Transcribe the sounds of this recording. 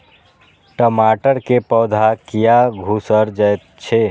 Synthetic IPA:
ʈəmaːʈəɾkepɔːd̪ʱakɪjaɡʱusəɾd͡ʒəjt̪t͡ʃʰe

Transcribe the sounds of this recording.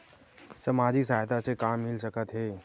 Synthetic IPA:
sɐmaːd͡ʒis̬aːjt̪asekaːmːɪlsəkət̪ɦɛː

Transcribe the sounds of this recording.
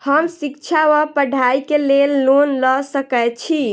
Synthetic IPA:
həmsikt͡ʃʰawəpəɖʱaikelelːonləsəkɛt͡ʃʰi

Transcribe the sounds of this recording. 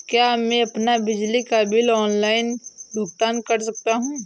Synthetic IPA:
kjaːmɛ̃ɐpnabɪd͡ʒlikabɪlɔːnlaːɪnb̪ʱʊɡt̪aːnkɐɾs̬ɐk̚t̪aɦũː

